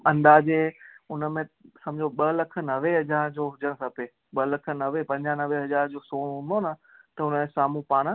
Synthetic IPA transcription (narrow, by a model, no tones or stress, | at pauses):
ɐ̃nd̪aːd͡ʑeːʊnəmẽsɐmd͡ʑoɓɐlɐkʰə̆nɐʋeɦɐd͡ʑaːɾd͡ʑoːɦʊd͡ʑəɽ̃sɐpe | ɓɐlɐkʰə̆nɐʋepɐ̃ɲd͡ʑanɐʋeɦɐd͡ʑaːɾd͡ʑoːsoːɽ̃ɦʊ̃nd̪onət̪ɐʊnmẽsaːmũpaːɽ̃